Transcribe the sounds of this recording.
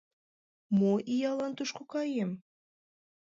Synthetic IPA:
moʔijɑlɑnt̪uʃkokɑjem

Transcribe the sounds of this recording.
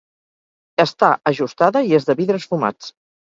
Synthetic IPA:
əst̪aəʒust̪aðəiezðəβiðɾəsfuma̰t͡s

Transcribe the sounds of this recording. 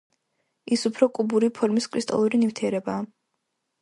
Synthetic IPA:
isupʰɾɔkʼubuɾipʰɔɾmiskʼʰɾist̪ʼɔ̰lˠuɾinift̪ʰiɛɾɛbaː

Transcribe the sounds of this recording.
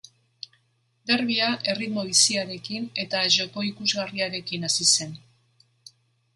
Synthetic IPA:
d̪e̞rβ̞iaʔe̞rit̪mo̞β̞isiaɾe̞kine̞t̪aʒo̞ko̞ikuzɣariaɾe̞kinasise̞n

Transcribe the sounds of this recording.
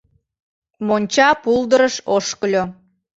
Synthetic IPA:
monʲt͡ɕɑpuld̪əɾəʃoʃkəlʲo

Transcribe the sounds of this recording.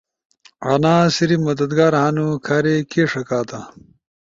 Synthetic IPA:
a̰naːsiɾimɐd̪ɐd̪ɡaːɾɦanukʰaɾekeːʂɐkaːt̪a

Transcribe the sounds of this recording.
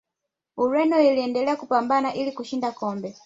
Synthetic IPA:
uɾɛnɔiliɛndɛlɛakupambanaʔilikuʃindakɔmbɛ

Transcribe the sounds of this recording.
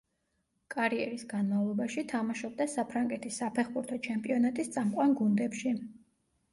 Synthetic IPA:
kʼaɾiɛɾisɡ̥anmavlˠɔbaʃit̪ʰamaʃɔb̚d̪asapʰɾaŋɡɛt̪ʰisːapʰɛχbuɾt̪ʰɔt͡ʃʰɛmpʼiɔnat̪ʼist̪sʼamqʼwanɡund̪ɛpʃi

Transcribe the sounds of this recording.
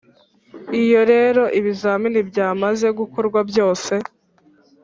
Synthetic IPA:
ijo̞ɾe̞ːɾo̞ʔiβizaːminibjaːmaze̞ɡukoɾɡwabjo̞ːse̞

